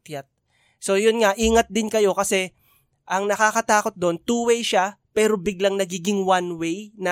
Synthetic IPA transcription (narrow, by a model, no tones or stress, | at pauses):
t̪jat̪̚ | so̞jʊnŋaʔiːŋɐt̪̚d̪ɪnkɐjo̞kɐsɛ | ʔɐŋnɐkakɐt̪aːko̞t̪̚d̪o̞nt̪uːwɛjʃapɛːɾo̞bɪɡlaŋnɐɡiːɡɪŋwanwɛjnɐ